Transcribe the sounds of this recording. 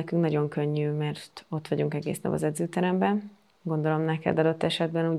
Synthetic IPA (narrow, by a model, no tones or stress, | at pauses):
ɛkyŋknɒɟo̞ŋkøɲːyːmɛrt̪o̞t̪ːʋɒɟuŋkɛɡḛːsnɒ̰bɒ̰zɛd̪zøːt̪ɛɾɛmbɛn | ɡo̞nd̪o̞lo̞mnɛkɛ̰d̪ɒd̪o̞t̪ːɛʃɛd̪bɛnuː